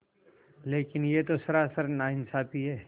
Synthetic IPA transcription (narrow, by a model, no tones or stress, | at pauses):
leːkɪnjeːt̪osɐɾaːsəɾnaːɪnsaːpiɦɛː